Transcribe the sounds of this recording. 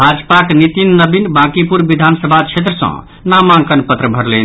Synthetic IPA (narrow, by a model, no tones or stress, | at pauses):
bʱad͡ʒpaknit̪inːəbinbãkipuɾbid̪ʱansəbʱat͡ʃʰet̪ɾəsə̰̃ | namankənpət̪ɾəbʱəɾlen